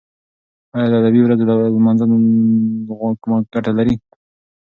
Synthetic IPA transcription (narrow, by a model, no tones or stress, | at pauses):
ɑjad̪əad̪abiwɾazolalmanzan | kʊmaɡ̥aʈalaɾi